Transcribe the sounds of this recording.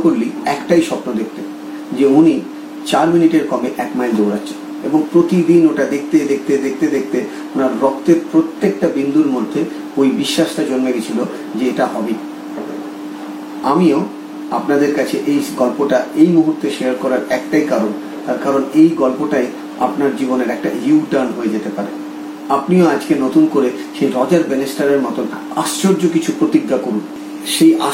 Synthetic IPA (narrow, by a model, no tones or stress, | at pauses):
koɾliɛkʈajʃɔpnod̪ek̚ʰt̪e | d͡ʑeuni | t͡ɕaɾminiʈeɾkɔmeʔɛkmajld͡ʑowɾatːɕʰe̥n | eboŋpɾot̪id̪inoʈad̪ek̚ʰt̪ed̪ek̚ʰt̪ed̪ek̚ʰt̪ed̪ek̚ʰt̪e | onaɾːɔkt̪eɾpɾot̪ːek̚ʈabind̪ulmod̪ʱːe | ojbiʃːaʃʈad͡ʑonmeɡit͡ɕʰilo | d͡ʑeeʈaɦɔbi | amio | apnad̪eɾkat͡ɕʰeʔejɡɔlpoʈaejmuɦuɾt̪eʃeaɾkɔɾaɾɛk̚ʈajkaɾon | t̪aɾkaɾonejɡɔlpoʈaj | apnaɾd͡ʑiboneɾɛk̚ʈa̰juʈaɾnɦoed͡ʑet̪epaɾḛ | apnioad͡ʑkenot̪unkoɾe | ʃejɾɔd͡ʑaɾbenesʈaɾeɾmɔt̪on | aʃt͡ɕoɾd͡ʑokit͡ɕʰupɾot̪iɡːakoɾun | ʃeja